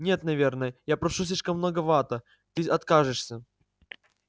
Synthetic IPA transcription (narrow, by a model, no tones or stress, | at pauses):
nʲe̞t̪nɐvʲe̞rnəjəjapɾɐʂus̬ʲlʲiʂkəmːnoɡəvat̪ə | t̪ɨʔɐt̪kaʐɨʂsʲə